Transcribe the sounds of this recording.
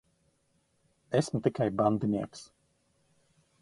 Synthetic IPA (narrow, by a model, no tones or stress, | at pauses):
ɛsmt̪ikajband̪inʲiɛks